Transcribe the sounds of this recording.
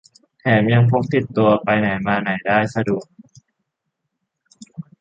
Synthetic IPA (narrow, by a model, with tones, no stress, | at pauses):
t̪ʰɛː˨˩˦mja˧ŋpʰo˦˥k̚t̪i˨˩t̪ːu˧ɐpa˧jna˨˩˦jmaː˧na˨˩˦jdaː˥˩jsa˧du˨˩ək̚